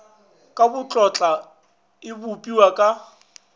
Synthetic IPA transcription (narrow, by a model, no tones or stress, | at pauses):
kʼabʊt͡ɬʼɔt͡ɬʼa | ɪbʊpʼiwakʼa